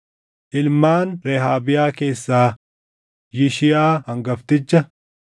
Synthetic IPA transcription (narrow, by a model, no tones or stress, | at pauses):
ʔɪlmaːnɾɛɦaːbɪjaːke̞ːsːaː | jɪʃɪjaːhɐŋɡɐft̪ɪt͡ʃːɐ